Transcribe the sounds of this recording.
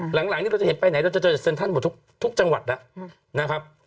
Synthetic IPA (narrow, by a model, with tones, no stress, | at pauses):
la˨˩˦ŋlaː˨˦kt̪iː˥ɾa˧wt͡ɕe˩˦npa˧jna˨˩˦jɾa˧wt͡ɕa˨˩t͡ɕːa˨˩se˧nt̪ʰa˥˩˨mɔː˨˩t̪ʰu˦˥k̚t̪ʰu˦˥k̚t͡ɕa˧ŋwa̰˨˩la˦˥ | na˦˥kʰa˦˥p̚